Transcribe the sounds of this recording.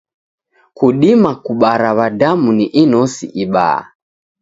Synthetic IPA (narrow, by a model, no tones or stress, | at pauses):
kuɗimakuɓaɾaβadamuniʔinɔsḭʔiɓa̰a̰